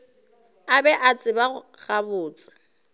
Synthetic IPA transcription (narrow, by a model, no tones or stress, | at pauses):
abɛʔat͡sʼɪbaɣabʊːt͡sʼɪ̥